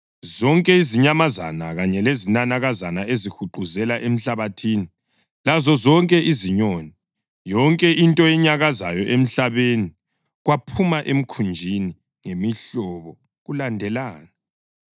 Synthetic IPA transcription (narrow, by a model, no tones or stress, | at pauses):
zɔŋkʼɛiziɲamaza̰naɣaɲɛlezinanaɣazanaezixuǃuzɛlaʔem̩ɬaβatʰiːni | lazɔzɔŋkʼɛʔiziɲoni | jɔŋkʼɛʔintʼɔɛɲaɣaza̰jɔʔem̩ɬaβeni | ɣwapʰumaʔem̩kʰund͡ʒʱini | ŋemiɬɔβɔ | ɣulandʱɛlaːna